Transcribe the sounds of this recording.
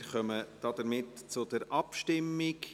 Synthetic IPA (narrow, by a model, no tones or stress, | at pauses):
χœməd̥ɑd̥̪əɾmɪtt͡sʊd̥əɾʔɑpʃtɪmːɪk